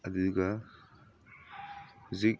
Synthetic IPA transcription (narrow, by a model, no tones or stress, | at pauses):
ɐd̪uɡɐ | zik̚